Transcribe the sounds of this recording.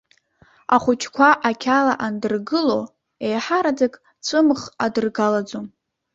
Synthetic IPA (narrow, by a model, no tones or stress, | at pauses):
aχʷʊt͡ʃʰkʷʰaʔakʲʰalaʔandɨrɡɨlo | ejħaɾad͡zakʼ | t͡sʷʰʼɨmχadɨrɡalad͡zo